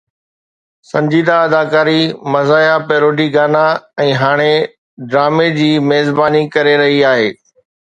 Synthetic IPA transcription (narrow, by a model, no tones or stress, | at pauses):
sɐ̃ɲd͡ʑiːd̪aɐd̪aːkaːɾimɐzaːɪapeːɾoːɖiɡaːnaɛ̃ːɦaːɽ̃e | ɖɾaːmed͡ʑiːmeːzbaːnikɐɾeɾɐɦiaːɦeː